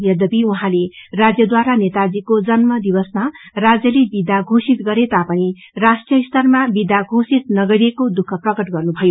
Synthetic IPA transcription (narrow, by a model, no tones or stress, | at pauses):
jʌd̪ʌbiuɦãlerad͡zjʌd̪waɾanet̪ad͡zikod͡zʌnmʌd̪ibʌsmarad͡zjʌlibid̪aɡʱosit̪ɡʌɾet̪apʌñi | rasʈijʌist̪ʌrmabid̪aɡʱosit̪̚nʌɡʌɾiekod̪ukʰːʌprʌkʌʈɡʌrnubʱʌjo